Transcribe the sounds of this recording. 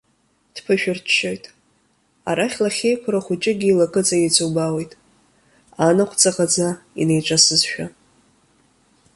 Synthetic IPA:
d̥pʰɨʃᶣɪrt͡ʃʰʃojtʼ | a̰ɾaχʲlaχʲejkʷʰɾaχʷʊt͡ʃʼɪɡʲiːlakʼɨt͡sʼajit͡sʰʷʼowbawe̞jtʼ | anaqʷʰt͡sʼaqʼad͡zaḭne̞jʈ͡ʂʷʼasɨzʃᶣa

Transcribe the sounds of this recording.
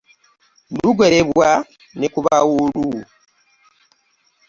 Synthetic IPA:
luɡoɾeβwa | nekuβawulu

